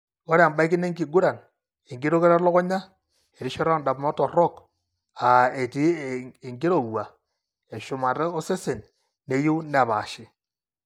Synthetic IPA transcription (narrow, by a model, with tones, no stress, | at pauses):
wɔ˦ɾa˨mba˦ɪ˦kɪ˦ne˦ŋɡi˨ɡu˦ɾa˨n | e˨ŋɡi˦ɾo˦ke˦ɾa˦lɔ˦kɔ˦ɲa˦ | e˨ɾi˦ʃɔ˦ɾa˦nda˨pmɔ˦tɔ˨rɔ˦˨k | a˨e˨ti˦e˨ŋɡi˦ɾo˨wa˨ | e˨ʃʊ˨ma˨tɛ˦o˦se˦se˨n | nːe˨˦ju˦wna˨ba˨ʃɪ˦